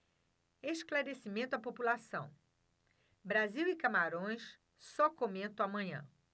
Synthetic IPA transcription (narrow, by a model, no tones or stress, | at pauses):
eʃklaɾesimẽnt̪ʊapopulasɐ̰̃w̃ | bɾaziwikamaɾõj̃s | sɔkomẽnt̪õw̃amɐ̃ɲɐ̰̃